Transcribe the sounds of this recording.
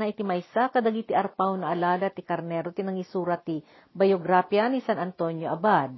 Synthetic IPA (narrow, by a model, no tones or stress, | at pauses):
nɐʔɪt̪ɪmajsakɐd̪ɐɡit̪iʔɐɾpawnɐʔɐlaːlɐt̪ikɐɾnɛːɾot̪inɐŋisuːɾɐt̪i | bɐjoɡɾaːpjanisanɐnt̪onjoʔɐbad̪̚